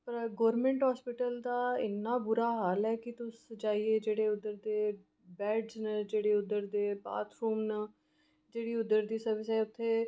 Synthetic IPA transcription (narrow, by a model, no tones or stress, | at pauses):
pəɾɡoːɾmẽːɳʈɦaːspɪʈəld̪aːɪ̰nːaːbʊɾaːɦaːlɦɛːkɪt̪ʊsd͡ʒaːiːeːd͡ʒeːɽeːʊd̪əɾd̪eː | bɛːɖznəd͡ʒeːɽeːʊd̪ːəɾd̪eːba̰ːt̪ʰɾuːmnə | d͡ʒeːɽiːʊd̪ːəɾd̪iːsəɾʋɪsɛːʊt̪ʰːeː